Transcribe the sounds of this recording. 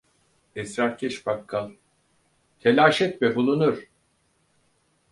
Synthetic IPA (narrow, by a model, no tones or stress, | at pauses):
ɛsɾaɾcʲʰɛʃbakʰːalˠ | t̪ʰelʲaːʃɛt̪̚mɛbulˠunuɾ̥